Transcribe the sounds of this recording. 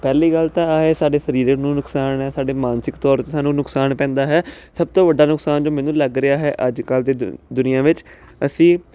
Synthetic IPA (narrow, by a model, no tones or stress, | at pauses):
pɛːliːɡəlt̪ãːaːeːsaːɖeːsəɾiːɾənũːnʊksaːnɦɛːsaːɖeːmãːnsɪkt̪ɔːɾt̪eːsaːnũːnʊksaːnpɛ̃ːnd̪aːɦɛːsəb̚t̪õːʋəɖːaːnʊksaːnd͡ʒoːmɛːnũːləɡɾɪaːɦɛːʔəd͡ʒkəld̪eːd̪ʊnɪjãːʋɪt͡ʃ | əsĩː